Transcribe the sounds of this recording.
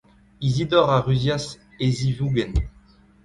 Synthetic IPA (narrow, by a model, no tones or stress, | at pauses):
izid̪ɔʁaʁyzjas | ezivuɡɛn